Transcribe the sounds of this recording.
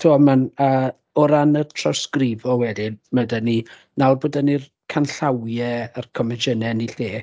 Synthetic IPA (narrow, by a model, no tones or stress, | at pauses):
tʰuɔmanə | ɔɾanərtʰrɔskrivɔwɛdimədəni | nalˠbodənir | kʰanɬawjɛərkʰɔmɛd͡ʒənɛniɬeː